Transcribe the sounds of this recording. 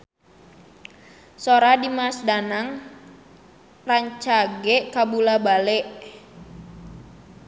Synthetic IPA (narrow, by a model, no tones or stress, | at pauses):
soɾadimasdanaŋ | raɲt͡ʃaɡɛʔkabulabalɛʔ